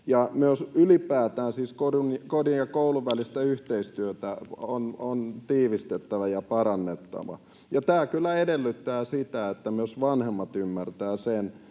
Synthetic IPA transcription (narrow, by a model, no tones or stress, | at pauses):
jɑmyøsylipæːt̪æːnsiːskodunkodinjɑkouluʋʋælist̪æyht̪eist̪yøt̪æonont̪iːʋist̪et̪ːæʋæjɑpɑɾɑnːet̪ːɑ̰ʋɑ̰ | jɑt̪æːkylːæedelːyt̪ːæːsit̪æet̪ːæmyøsʋɑnhemːɑt̪ymːært̪æːsen